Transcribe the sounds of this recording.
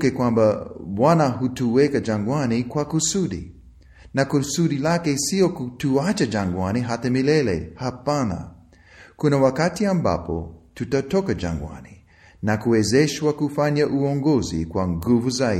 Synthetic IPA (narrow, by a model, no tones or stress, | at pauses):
kɛkwãmbawanaɦutuwɛkad͡ʒãŋɡwanikwakusuɗḭ | nakusuɗilakɛsiɔkutuat͡ʃad͡ʒaŋɡwaniɦatamilɛlɛ̰hapana̰ | kunawakatiamba̰pɔ̰tutatɔkad͡ʒa̰ŋɡwa̰ni | nakuwɛzɛʃwakufaɲaʔuɔŋɡɔzḭkwaŋɡuvuza